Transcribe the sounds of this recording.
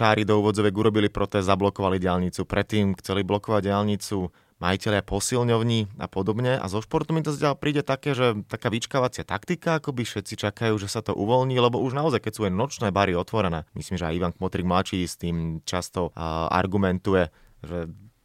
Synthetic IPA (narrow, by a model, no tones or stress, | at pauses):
aːɾid̪ɔuːʋɔd͡zɔʋɛɡuɾɔbilipɾɔt̪ɛɛzablɔkɔʋaliɟɪalɲit͡supɾɛt̪ːiːmxt͡sɛliblɔkɔʋaɟɪalɲit͡su | ma̰jicɛʎapɔsilɲɔʊɲiːa̰pɔd̪ɔbɲɛa̰zɔʃpɔɾt̪ɔmit̪azɟɪalpɾʔiːɟɛt̪akɛːʒɛt̪akaːʋit͡ʃkaʋat͡sɪat̪akt̪ikaakɔbifʃɛt̪t͡sit͡ʃakajuːʒɛsat̪ɔʔṵʋɔlɲiːlɛbɔuʒnaɔzajkɛcsuːɛjnɔt͡ʃnɛːbaɾiɔt̪ʋɔɾɛnɛːmḭsliːmʒɛa̰jiʋaŋkmɔt̪ɾiɡmlat͡ʃiːst̪iːmt͡ʃast̪ɔa̰ɾɡumɛnt̪ujɛ | ʒɛ